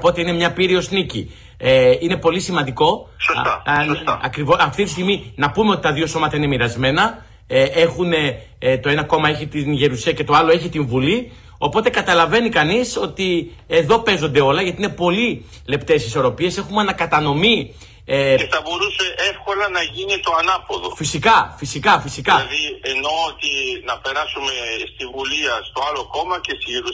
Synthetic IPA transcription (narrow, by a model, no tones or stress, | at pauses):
opo̞t̪e̞ine̞mɲɐpiɾio̞snici | eine̞po̞lisimɐnd̪iko̞sot̪ɐsost̪ɐɐkɾivoɐft̪it̪ist̪iɣminɐpumeo̞t̪i̥t̪ɐðio̞so̞mɐt̪ɐine̞miɾɐzme̞nɐ | ee̞xune̞ | t̪o̞e̞nɐko̞mɐe̞çit̪inʝe̞ɾusiɐce̞t̪o̞ɐloe̞çit̪iɱvuli | o̞po̞t̪e̞kɐt̪ɐlɐve̞nikɐniso̞t̪i | e̞ðo̞pe̞zo̞nd̪e̞o̞lɐʝɐt̪iine̞po̞li | le̞pt̪e̞siso̞ɾo̞pie̞se̞xumɐnɐkɐt̪ɐno̞mi | eceθɐbo̞ɾuse̞ʔe̞fko̞lɐnɐʝinit̪o̞ɐnɐpo̞ðo̞fisikɐfisikɐfisikɐðieno̞ot̪inɐpe̞ɾɐsume̞st̪ivuliɐst̪o̞ɐlo̞ko̞mɐce̞st̪iʝeɾu